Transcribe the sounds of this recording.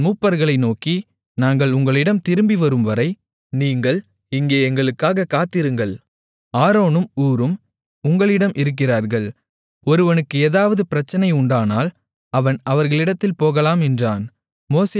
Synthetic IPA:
muːpːɐɾɣɐɭɐɪnoːki | naːŋɡɐɭʊŋɡɐɭɪɽɐmt̪ɪɾɯmbiʋɐɾɯmʋɐɾɐɪ | niːŋɡɐɭ | ɪŋɡeːɛŋɡɐɭɯkːaːɣɐkːaːt̪ːɪɾɯŋɡɐɭ | aːɾoːnɯmuːɾɯm | ʊŋɡɐɭɪɽɐmʔɪɾɯk̬ːɪraːɾɣɐɭ | ɔɾɯʋɐnɯkːɯeːðaːʋɐðɯpɪɾɐt͡ʃːɐnɐɪʊɳɖaːnaːl | ɐʋɐnɐʋɐɾɣɐɭɪɽɐt̪ːɪlpoːɣɐlaːmɛndraːn | moːse

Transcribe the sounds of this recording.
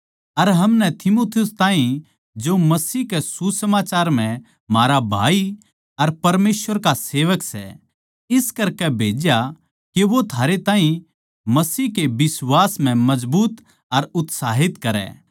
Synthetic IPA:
ɐɾɦɐmnɛt̪ʰɪmoːt̪ʰijʊst̪aːɦĩ | d͡ʒomɐsiːkesusɐmaːt͡ʃaːɾm̤ɛ̃ | maːɾabʱa̰ːi | ɐɾpɐɾmeːsʋəɾkaseːʋəksɛ̰ | ɪskɐɾkɛbʱeːd͡ʒja | keʋot̪ʰaːɾet̪ãːɦĩ | mɐsiːɦkebɪswaːsm̤ɛ̃mɐd͡ʒbuːt̪ | ɐɾʊt̪saːɦɪt̪kɐɾɛ̰ː

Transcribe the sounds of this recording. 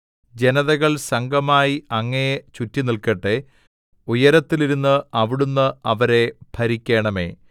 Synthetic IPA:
d͡ʑe̞nɐðɐɣɐɭsɐŋɡʱɐmaːjiɐŋːɐjet͡ɕutːinilkɐʈːe | ujɐɾɐt̪ːiliɾunːɨɐʋiɽunːɨʔɐʋɐɾe̞bʱɐɾikʲːe̞ːɳɐme̞̰ː

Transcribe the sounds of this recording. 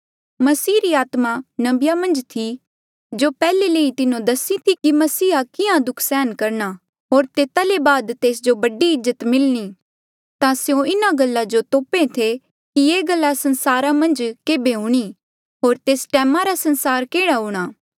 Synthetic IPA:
mɐsiːɾiaːt̪manɐbɪjamɐ̃nd͡ʒt̪ʰi | d͡ʒoːpɛːleleːĩt̪ɪnõd̪ɐsit̪ʰikimɐsiːɦakɪãd̪ʊkʰsɛːnkɐɾña | ɦoːɾt̪eːt̪alebaːd̪t̪eːsd͡ʒobɐɖiɪzːət̪mɪlɽ̃i | t̪ãsjõɪnaɡɐlːad͡ʒot̪oːpẽt̪ʰe | kieːɡɐlːasɐnsaːɾãmɐ̃nd͡ʒkeːbeɦuːɽ̃i | ɦoːɾt̪eːsʈɛːmãɾasɐ̃nsaːɾkeːɽ̃aɦuːɽ̃aː

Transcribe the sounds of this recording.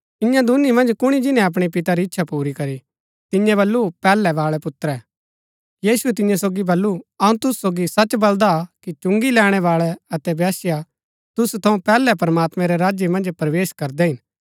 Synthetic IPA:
ɪjãd̪ʊnimɐ̃nd͡ʒkʊɽ̃id͡ʒɪnɛ̃ɐp̬ɽ̃ipɪt̪aɾiɪtːʃʰapuːɾikɐɾi | t̪ɪjɛ̃βɐlːupɛːlɛʋaːɭɛpʊt̪ɾɛː | jiːsuɛt̪̬ɪ̃jãsoːɡibɐlːuɐũt̪ʊsːoːɡisɐt͡ʃbɐld̪akit͡ʃʊ̃ŋɡilɛːɽ̃ɛʋaːɭɛɐt̪ɛbaːsja | t̪ʊst̪ʰɐũpɛːlɛpɐɾɐmaːt̪mɛ̃ɾɛɾaːd͡ʒjemɐ̃nd͡ʒpɾɐʋeːʃkɐɾd̪ɛɦɪn

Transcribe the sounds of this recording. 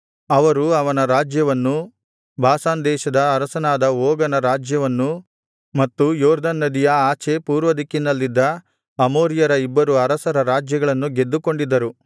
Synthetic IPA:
ɐʋɐɾuɐʋɐnɐɾaːd͡ʒjɐʋɐnːu | bʱaːsaːnd̪ɛːʃɐd̪ɐːɾɐsɐnaːd̪ɐoːɡɐnɐɾaːd͡ʒjɐʋɐnːu | mɐt̪ːujoːɾd̪ɐnːɐd̪ijɐaːt͡ʃepuːɾʋɐd̪ikːinɐlːid̪ːɐ | ɐmoːɾjɐɾɐibːɐɾuɐɾɐsɐɾɐɾaːd͡ʒjɐɡɐɭɐnːuɡe̞d̪ːuko̞ɳɖid̪ːɐɾu

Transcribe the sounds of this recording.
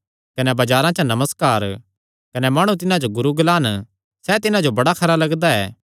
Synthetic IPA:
kɐnɛbɐd͡ʒaːɾãt͡ʃanɐməskaːɾ | kɐnɛmaːɽ̃ũt̪̬ɪnãd͡ʒoɡʊɾuɡlaːn | sɛt̪ɪnãd͡ʒobɐɽakʰɐɾalɐɡd̪aɛ̰ː

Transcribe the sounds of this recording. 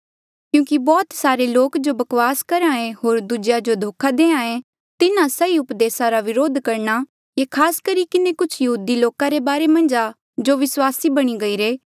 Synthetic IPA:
kjũːkibɔːt̪saːɾeloːkd͡ʒobɐkʋaːskɐɾãːẽɦoːɾd̪ud͡ʒjad͡ʒod̪ʱoːkʰad̪eːãːẽ | t̪ɪnãsɐiʊpd̪eːsaɾaʋɪɾoːd̪ʱkɐɾna | kekʰaːskɐɾikɪnekʊt͡ʃʰjɐɦuːd̪iloːkãɾebaːɾemɐ̃nd͡ʒa | d͡ʒoʋɪswaːsibɐɽ̃iɡɐiːɾeː

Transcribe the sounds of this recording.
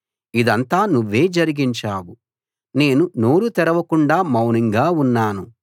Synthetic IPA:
id̪ɐnt̪aːnuʋːe̞ːd͡ʒɐɾiɡiɲt͡ʃaːwu | ne̞ːnuno̞ːɾut̪ɛɾɐʋɐkuɳɖaːmɐwniŋɡaːunːaːnu

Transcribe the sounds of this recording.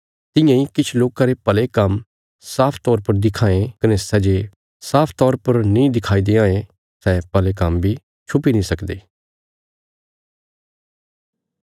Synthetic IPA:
t̪ɪ̃jãːikɪt͡ʃʰloːkãɾepɐlekɐm | saːpʰt̪ɔːɾpɐɾd̪ɪkʰãːẽkənesɛd͡ʒe | saːpʰt̪ɔːɾpəɾnĩːd̪ɪkʰaːid̪eãːẽ | sɛːpɐlekɐmbʱi | t͡ʃʰʊpinĩːsɐkd̪eː

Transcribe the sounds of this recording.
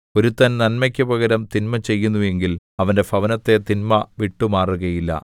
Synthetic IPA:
o̞ɾut̪ːɐnnɐnmɐkʲːɐbɐɣɐɾɐmt̪inmɐt͡ɕe̞jːunːue̞ŋɡil | ɐʋɐnde̞fʰɐʋɐnɐt̪ːe̞t̪inmɐʋiʈːumaːruɣɐjilːɐ̰

